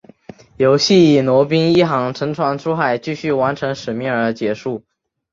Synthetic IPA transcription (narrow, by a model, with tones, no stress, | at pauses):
jo˨˩ʊɕi˥˩i˨˩nwɔ˧˥p̬i˥ŋi˥˩xɑ˧˥ŋʈ͡ʂʰɤ˧˥ŋʈ͡ʂʰwa˧˥nʈ͡ʂʰu˥xa˨˩ɪt͡ɕy˥˧ɕy˥˩wa˧˥nʈ͡ʂʰɤ˧˥ŋʂɻ̩˨˩mi˥˩ŋə˞˧˥t͡ɕjɛ˧˥ʂu˥˩